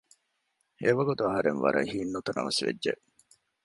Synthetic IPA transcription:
eʋɐɡut̪uɐɦɐɾenʋɐ̰ɾʔɐ̰hiːnːut̪ɐnɐ̰ʋɐsʋḛdːʒeʔ

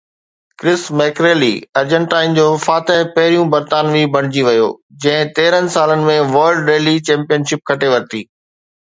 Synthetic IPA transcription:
kɾɪsmɛːkɾeːlḭɐɾd͡ʑə̃ɳʈaːɪnd͡ʑoːfaːt̪ɪɦpɐɦɪɾijũbɐɾt̪aːnʋibʱɐɽ̃ɪd͡ʑiʋɐjo̰ː | d͡ʑɐ̃ɦɪ̃t̪eːɾənɪ̆saːlənɪ̆mẽʋɐːɾlɖɾeːlit͡ɕɛ̃ːmpijənʃɪp̚kʰɐʈeʋɐɾt̪iː

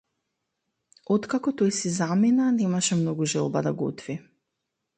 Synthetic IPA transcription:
ɔt̪kakɔt̪ɔjsizaminanɛmaʃɛmnɔɡuʒɛlˠbad̪aɡɔ̰t̪vi

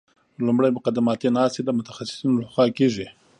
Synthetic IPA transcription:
lʊmɽajmʊqad̪ɪmɑt̪enɑst̪ed̪əmʊt̪ḁxasɪ̥sinolaxwɑkeʐi

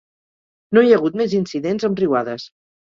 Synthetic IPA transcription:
nojəɣut̪̚mɛzinsiðenzəmriwaðəs

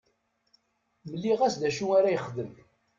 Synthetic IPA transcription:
məlːiʁæsd̪æʃuaɾæjəχðəm

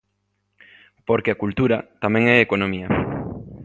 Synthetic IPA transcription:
poɾkeakult̪uɾat̪amɛ̃ŋɛekonõmiɐ

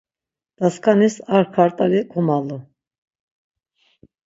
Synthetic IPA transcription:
d̪̥askʼanisaɾkʰaɾt̪ʼalikʰumalu

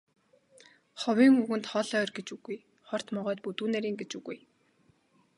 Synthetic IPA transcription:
χɔwʲiːŋuɣɘ̆nt̪χɔɮœːrɡet͡ɕuɣuj | χɔr̥t̪mɔʁœːt̪̚put̪uːnæɾiːŋɡet͡ɕuɣuj

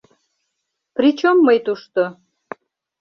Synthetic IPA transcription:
pɾit͡ɕomːəjt̪uʃt̪o

